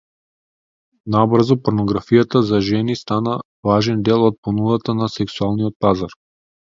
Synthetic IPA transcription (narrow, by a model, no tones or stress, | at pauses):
nabrzɔpoɾnoɡɾafijat̪azaʒɛnist̪ana | vaʒɛnd̪ɛlˠɔt̪̚ponud̪at̪anasɛksualˠnijɔt̪̚pazaɾ